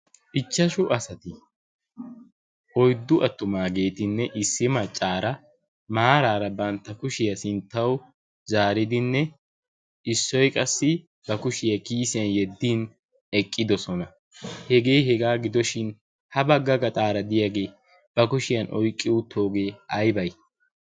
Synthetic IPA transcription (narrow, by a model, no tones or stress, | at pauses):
ʔɪt͡ʃːɐʃʊʔɐsɐt̪ɪ | ʔɔjd̪ːʊʔɐt̪ːʊmaːɡe̞ːt̪ɪnːɛʔɪsːɪmɐt͡ʃʼːaːɾɐ | maːɾaːɾɐbɐnt̪ːɐkʊʃɪjɐsɪnt̪ːɐw | zaːɾɪd̪ɪnːɛ | ʔɪsːɔjkʼɐsːɪ | bɐkʊʃɪjɐkiːsɪjɐnjɛd̪ːiːn | ɛkʼːɪd̪ɔsɔnɐ | hɛɡe̞ːɦɛɡaːɡɪd̪ɔʃɪn | hɐbɐɡːɐɡɐt̪ʼaːɾɐd̪ɪjaɡe̞ː | b̥ɐkʊʃɪjɐnʔɔjkʼːɪʊt̪ʰːo̞ːɡe̞ːɐjbɐj